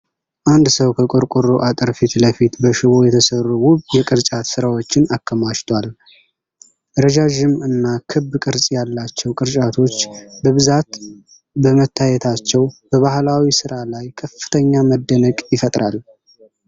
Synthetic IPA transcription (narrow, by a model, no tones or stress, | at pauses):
ʔand̪səwkʰəkʼɨɾkʼuɾuʔat̪ʼəɾfit̪ləfit̪bəʃɪβo̞jɛt̪ʰəsərːuwʊβjɛkʼɨɾt͡ʃʼat̪sɨɾawo̞t͡ʃːɪnakʰːəmaʃt̪ʰwal | ɾəʒaʒɪmɨnːakʰɨbːkʼɨɾsʼjalːat͡ʃːɛwkʼɨɾt͡ʃʼat̪ʰo̞t͡ʃːbəβɨzat̪ | bəmət̪ʰːajɛt̪ʰat͡ʃːɛwb̥əβahlawisɨɾalajkʰəfːɨ̥t̪ʰəɲːaməd̪ːənəkʼjɪfət̪ʼɾʔal